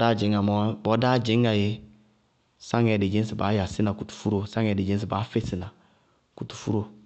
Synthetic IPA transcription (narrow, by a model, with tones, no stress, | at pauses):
da˦˨d͡ʒɪ˨˦ŋa˨mɔ˦bɔ˨˦da˦d͡ʒɪ˨˦ŋa˨je˦ | sa˦ŋɛ˨de˨d͡ʒe˦n˦sɪ˨ba˨˦ja˨sɪ˦na˨ku˨tu̥˨fu˦ɾo˨sa˦ŋɛ˨de˨d͡ʒe˦n˦s̬i˨ba˨˦fe˦sɪ˨na˨ | ku˨tu̥˨fu˦ɾo˦˨